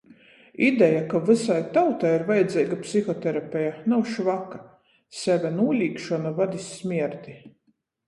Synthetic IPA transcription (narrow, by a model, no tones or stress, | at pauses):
id̪ɛjakavɨsajt̪awt̪ajiɾvajɛd̪zʲɛːɡapsixɔt̪ɛɾapʲɛjanawʃvakḁ | sɛvʲɛnuɔlʲiːkʃɔnavad̪ʲisʲːmʲiɛɾd̪ʲi